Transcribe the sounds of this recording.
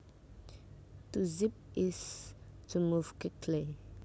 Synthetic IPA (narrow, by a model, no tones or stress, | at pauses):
tuzip̚istʰumuvkikʰle